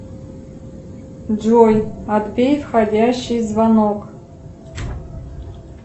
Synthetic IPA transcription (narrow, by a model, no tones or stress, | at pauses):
d͡ʒojad̪bʲejfxadʲaɕːijzvanokʼ